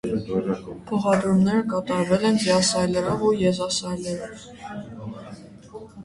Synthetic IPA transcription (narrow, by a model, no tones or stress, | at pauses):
pʰɔχɑd̪ɾumnɛɾəkɑt̪ɑɾvɛlɛnviɑsɑjlɛɾɔvujɛzɑsɑjlɛɾɔv